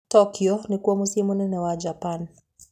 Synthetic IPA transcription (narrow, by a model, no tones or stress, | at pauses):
tɔkiɔnikuwamusimunɛnɛwad͡ʒapan